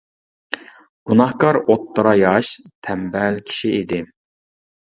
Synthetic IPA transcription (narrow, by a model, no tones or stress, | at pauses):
ɡ̥unɑhkɑɾot̪ʰːəɾɑjɑʃt̪ʰɛmbɛlkʲʰi̥ʃiid̪ɪ